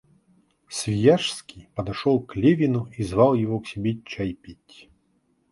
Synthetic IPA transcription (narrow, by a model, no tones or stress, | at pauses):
sʲvʲijaʂskʲijpɐd̪ɐʂɔlˠklʲevʲɪnʊizvalˠjɪvɔksʲibʲet͡ɕajpʲitʲ